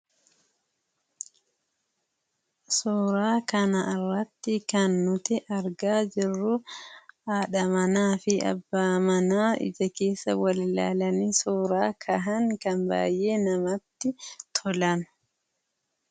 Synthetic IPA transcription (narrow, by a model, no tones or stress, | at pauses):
soːɾaːkɐnɐɪrːɐt̪ːɪkɐnːʊt̪ɪʔɐɾɡaːd͡ʒɪrːʊ | aːᶑɐmɐnaːfɪɐ̰bːaːmɐnaːɪ̰d͡ʒɐke̞ːsːɐ̰wɐlɪla̰ːlɐniːsoːɾaːkʰɐɦɐŋkɐnba̰ːjʔe̞ːnɐmɐt̪ːɪt̪ʰɔlɐn